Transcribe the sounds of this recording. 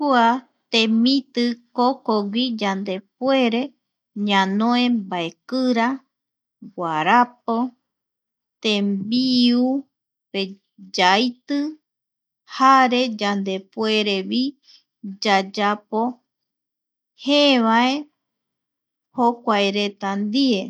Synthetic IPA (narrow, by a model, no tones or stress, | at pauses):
kua | t̪ẽmĩt̪ɨkokowid͡ʒand̪e̞p̚weɾe̞ | ɲãnõẽmbaekɨɾa | ɡʷaɾap̚o | t̪ẽmbiu | pe | d͡ʒajt̪ɨ | haɾe̞d͡ʒand̪e̞pweɾeβi | d͡ʒad͡ʒapo | heβae | hokʷaeɾet̪and̪ie